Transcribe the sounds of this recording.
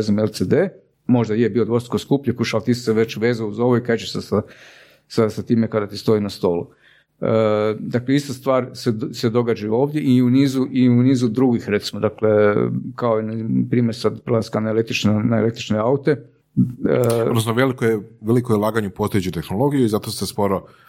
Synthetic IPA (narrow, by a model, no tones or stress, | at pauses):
ezimelt̪sed̪eː | mo̞ʒd̪ajebilod̪ʋo̞st̪koskupʎekuʃalˠt̪iːsseʋe̞t͡ɕʋe̞ːzauzo̞ʋoiket͡ʃesasa | sasat̪iːmekad̪at̪ist̪o̞inast̪o̞ːlṵ | əd̪akle̞ist̪ast̪ʋaːɾsese̞d̪o̞ɡad͡ʒajuo̞ːʋd̪je̞ʔiuniːzuʔiuniːzud̪ɾuɡixɾet̪simod̪akle̞kaoinpɾiːmeɾsad̪plaskanelek̚t̪ɾit͡ʃnenaḛle̞k̚t̪ɾit͡ʃneaut̪e̞ | ood̪nosnoʋelikoeʋelikojelˠaːɡaɲeupost̪ojet͡ʃut̪e̞xnolo̞ɡijuizat̪ost̪espoɾo